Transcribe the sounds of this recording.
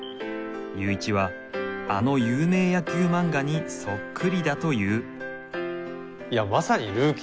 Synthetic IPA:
jɯːit͡ɕiβa | a̰no̞jɯːme̞ːjakʲɨːmãŋɡaɲ̟iso̞kːɯ̟ɾʲid̪at̪o̞jɯ̟ː | iamasaɲiɾɯːkʲ

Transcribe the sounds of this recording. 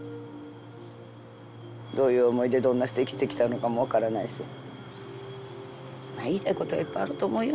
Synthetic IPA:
d̪o̞ːjɯ̟ːomo̞id̪e̞d̪õ̞nːaɕɨ̥t̪e̞kʲi̥t̪e̞kʲi̥t̪ano̞kamo̞βakaɾanaiɕḭ | maiːt̪aiko̞t̪oa̰ipːaaɾɯ̟t̪o̞ːmo̞ijo

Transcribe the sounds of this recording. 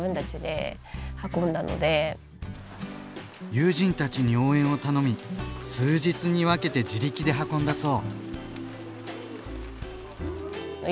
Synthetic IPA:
ɯ̟̃nt̪at͡ɕid̪e̞̰ | hakõ̞nd̪ano̰d̪e̞ | jɨːʑĩnt̪at͡ɕiɲ̟io̞ːẽɰ̃o̞t̪ano̞mʲisɨːʑit͡sɨɲ̟iβ̞ake̞t̪e̞d͡ʑiɾʲikʲid̪e̞ɦakõ̞nd̪aso̞ː

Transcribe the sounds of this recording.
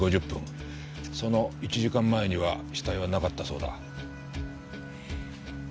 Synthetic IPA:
o̞ʑɨpːɯ̰̃ŋ̃ | so̞no̞it͡ɕiʑikãmːae̞ɲ̟iβaɕi̥t̪aiβ̞anakat̪ːaso̞ːd̪a̰

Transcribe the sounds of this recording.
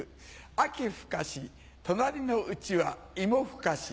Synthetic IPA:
akʲiɸɯ̥kaɕi | t̪o̞naɾʲino̞ɯt͡ɕiβa | imo̞ɸɯ̟̥kaɕi̥

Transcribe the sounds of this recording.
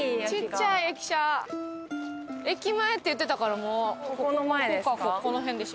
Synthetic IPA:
t͡ɕit͡ɕːaiekʲi̥ɕa | e̞kʲimae̞t̪ːejɯ̟t̪ːe̞t̪akaɾamokõkakoko̞no̞ɦẽnd̪e̞ɕ

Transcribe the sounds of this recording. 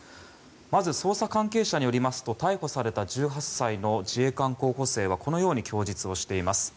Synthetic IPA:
mazɨso̞ːsakãŋke̞ːɕaɲ̟ijo̞ɾʲimasɨ̥t̪o̞t̪aiho̞saɾe̞t̪ad͡ʑɨːɦasaino̞d͡ʑie̞ːkãŋko̞ːho̞se̞ːβ̞ako̞no̞jo̞ːɲ̟ikʲʰo̞ːd͡ʑit͡sɨo̞ɕi̥t̪e̞imasɨ̥

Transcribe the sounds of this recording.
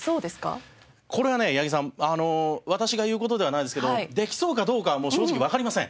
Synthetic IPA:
soːd̪e̞sɨ̥ka̰ | kʰo̞ɾe̞βane̞jaɡʲis̬ãano̞βat̪aɕiɡajɯ̟ːko̞t̪o̞d̪e̞β̞anaid̪e̞sɨ̥keoid̪e̞kʲi̥so̞ːkad̪o̞ːkaβmo̞ːɕɕo̞ːikʲiβakaɾimasẽ

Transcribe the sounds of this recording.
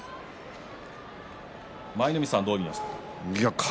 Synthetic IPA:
mainɯmʲisãnd̪oːɡʲiɲas | jakʰ

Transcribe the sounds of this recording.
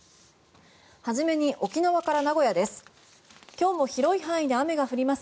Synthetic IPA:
haʑime̞ɲ̟iʔo̞kʲinaβakaɾanaɡo̞jad̪e̞sɨ̥ | kʲo̞ːmo̞çiɾo̞iɦãɰ̃id̪e̞ame̞ɡaɸɯ̟ɾʲimas

